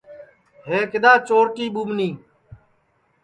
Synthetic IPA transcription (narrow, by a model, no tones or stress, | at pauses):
ɦeːkɪd̪aːt͡ʃoːɾʈiːɓumniː